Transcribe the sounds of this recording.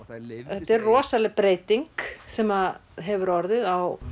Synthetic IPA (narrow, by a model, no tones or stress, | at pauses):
θɛt̪ːɛɾrɔːsalɛpɾeːjt̪iŋksɛmaɦɛvʏɾɔɾðɪðaw